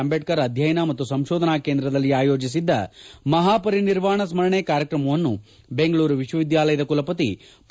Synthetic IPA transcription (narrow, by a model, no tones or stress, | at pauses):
mbeʈkɐɾɐd̪ʱjɐjɐnamɐt̪ːusɐmʃoːd̪ʱɐnaːkeːnd̪ɾɐd̪ɐlːiaːjoːd͡ʒis̬id̪ːɐmɐɦaːpɐɾiniɾʋaːɳɐsmɐɾɐɳekaːɾjɐkɾɐmɐʋɐnːu | be̞ŋɡɐɭuːɾuʋiʃʋɐʋid̪jaːlɐjɐd̪ɐkulɐpɐt̪̬i | p